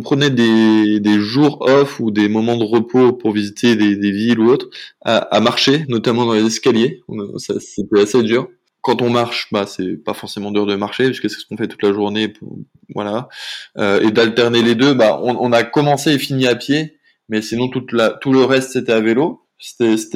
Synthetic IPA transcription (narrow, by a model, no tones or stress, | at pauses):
ɔ̃pχənɛd̪ed̪eʒuʁɔfud̪emɔmɑ̃d̪əʁəpʰopuʁvizit̪ʰed̪ed̪eviluot̪χa̰ʔa̰maʁʃenɔt̪amɑ̃d̪ɑ̃lezɛskaljeɔ̰̃saset̪ɛased̪yːʁ | kɑ̃t̪ɔ̃maʁʃbasɛpafɔʁsemɑ̃d̪yʁd̪əmaʁʃeiskəsɛ̥sə̥kɔ̃fɛt̪u̥t̪laʒuʁnepṵ | vwa̰laøed̪alt̪ɛʁneled̪øbaɔ̰̃ɔ̃nakɔmɑ̃seefiniapje | mɛsinɔ̃t̪ut̪lat̪uləʁɛst̪set̪ɛavelo | se̥t̪ɛse̥t̪